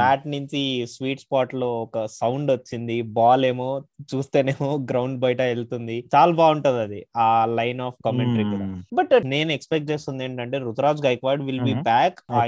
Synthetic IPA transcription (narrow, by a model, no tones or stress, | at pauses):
aːʈniɲt͡ʃisʋiːʈspaːɾʈlo̞ːɔkɐsɐwɳɖʋɐt͡ʃːind̪ibaːle̞ːmoːt͡ʃuːst̪eːne̞ːmoːɡɾɐwɳɖbɐjɐʈɐeɭt̪und̪it͡ʃaːlɐbaːuɳʈund̪ɐd̪iaːlɐjnaːpkɐmeɳʈɐɾikuːɽaːbɐʈne̞ːnuekspek̚ʈ̚t͡ʃe̞ːst̪und̪eːɳʈɐɳʈe̞ːɾut̪ɾaːd͡ʒɡɐjkʋaːɖʋilbiːpaːka